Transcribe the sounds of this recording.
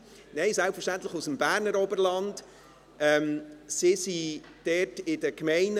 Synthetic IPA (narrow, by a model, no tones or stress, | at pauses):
nɛɪsælpfəʃtæntlɪχusəmbæːɾnəɾɔbəɾlɑnd | ʔɛmsɪsi | d̥ɛtɪdəkmɛɪn